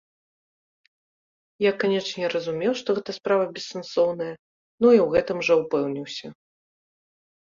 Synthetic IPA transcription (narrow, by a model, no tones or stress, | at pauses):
jakanʲɛt͡ʂnʲɛɾɐzumʲɛwʂt̪ɔɣɛt̪ɐspɾavɐbʲɛsːɐnsɔwnɐjɐ | nuiwɣɛt̪ɨmʐɛwpɛwnʲiwsʲɐ